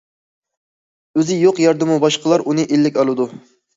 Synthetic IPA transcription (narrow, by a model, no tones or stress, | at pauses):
øzɪjoqjɑɾd̪ɨmubɑʃqəlˠɑɾunɨʔelːɪkʲɑlˠɨd̪u